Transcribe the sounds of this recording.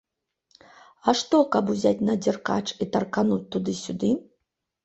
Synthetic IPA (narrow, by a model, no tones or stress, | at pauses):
aʂt̪ɔkabuzʲatʲnɐd͡zʲirka̰t͡ʂit̪ɐrkanut̚ʲt̪ːud̪ɨsʲud̪ɨ